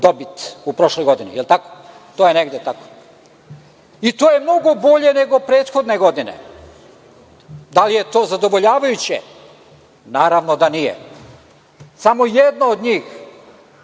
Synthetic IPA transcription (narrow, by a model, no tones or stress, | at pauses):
d̪o̞bit̪upɾo̞ʃlojɡo̞d̪inḭjelt̪ako̥ | t̪oːjeneɡd̪jet̪ako̥ | it̪oːjemno̞ɡo̞bo̞ʎe̞ne̞ɡo̞pɾe̞ːt̪xo̞d̪ne̞ɡo̞d̪inḛ | d̪alije̞t̪o̞ːzad̪o̞ʋo̞ʎaːʋajut͡ɕḛ | naːɾaʋnod̪anijḛ | samojed̪nood̪ɲiːx